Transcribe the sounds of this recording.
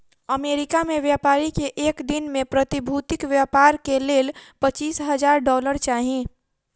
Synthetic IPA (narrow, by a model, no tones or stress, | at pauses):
əmeːɾɪkamẽʋjaːpaːɾikeʔeːkd̪ɪnmẽpɾət̪ɪbʱuːt̪ɪkʋjaːpaːɾkeleːlpət͡ʃiːsɦəd͡ʒaːɾɖɔːləɾt͡ʃaːɦĩ